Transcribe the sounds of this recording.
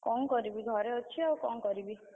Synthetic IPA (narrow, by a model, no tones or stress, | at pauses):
kɔŋkɔɾibiɡʱɔɾeɔt͡ʃʰiawkɔŋkɔɾibi